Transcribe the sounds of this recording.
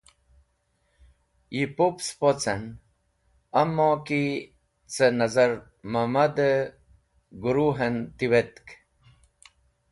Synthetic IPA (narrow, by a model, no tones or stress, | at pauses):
jipopspot͡sən | ɐmːõki | t͡sənɐzɐɾ | mɐmad̪ə | ɡuɾuɦent̪iwet̪k